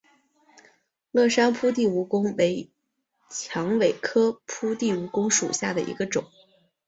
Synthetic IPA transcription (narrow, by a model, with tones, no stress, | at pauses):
lɤ˥˩ʂa˥npʰu˥t̪̬i˥˩u˧˥kʊ˥ŋwe˧˥ɪ | t͡ɕʰjɑ˧˥ŋwe˨˩ɪkʰɤ˥pʰu˥t̪i˥˩u˧˥kʊ˥ŋʂṵ˨˩ɕja˥˩d̪ə˩ʔḭ˧˥ɡə˧ʈ͡ʂʊ˨˩˦ŋ